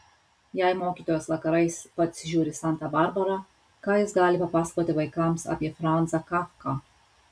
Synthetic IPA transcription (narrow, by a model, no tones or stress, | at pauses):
jæɪmoːkʲiːt̪oːjoːsʋɐkɐɾɐɪspɐt̪ʲsʲʒʲuːɾʲɪsɑˑnt̪ɑːbɑɾbɐɾɑ | kɑːjɪsɡɑːlʲɪpɐpɑːsɐ̥koːt̪ʲɪʋɐɪkɐˑmsɑ̰ːpʲiɛfɾɑnt̪sɐkɑfkɑː